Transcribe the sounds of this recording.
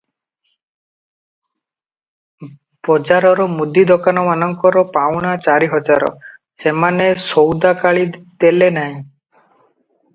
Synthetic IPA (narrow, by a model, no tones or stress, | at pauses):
bɔd͡ʒaɾɔɾɔmud̪id̪ɔkanɔmanɔŋkɔɾɔpawɽ̃at͡ʃaɾiɦɔd͡ʒaɾɔ̰ | semanesowd̪akaɭid̪elenaɦĩ